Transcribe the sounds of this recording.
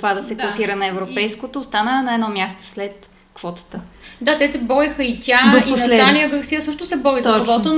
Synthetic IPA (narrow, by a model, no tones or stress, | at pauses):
ovad̪ɐsɛklˠɐsiɾənɐɛvɾopɛjskot̪oːst̪anənɐɛd̪nɔmjast̪o̥slɛt̪ | kvɔt̪ə̥t̪əd̪at̪ɛsɛbɔɾixəit̪ʲad̪opioslɛanijəɡəɾsijəsɤʃt̪osɛbɔɾizɔvɔt̪o